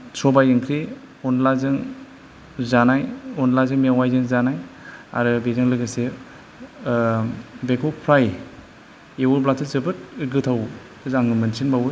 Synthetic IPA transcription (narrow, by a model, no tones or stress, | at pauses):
sʰɔbajɯŋkʰɾi | ɔnlazɯŋ | zanajɔnlazɯŋmewajzɯŋzanaja̰ɾɯbezɯŋlɯɡɯse | bekʰopʰɾaj | ewublatʰɯzɯbɯt̚ɯɡɯtʰaw | zaŋɯmɯnsinbawɯ